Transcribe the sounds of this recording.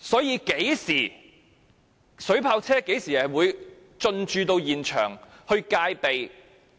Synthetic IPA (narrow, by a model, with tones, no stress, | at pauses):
sɔː˨˥jiː˨˧ke˨˥jsiː˨˩ | sɵ˨˥ɥpʰaː˧wt͡sʰɛː˥ke˨˥jsiː˨˩hɐ˨˩jwuː˨˧j | t͡ʃɵ˧nt͡ʃyː˨˧t̪o˧wjiː˨˩nt͡ʃʰœ̰ː˨˩ŋhɵ˧ɥkaː˧jpe˨j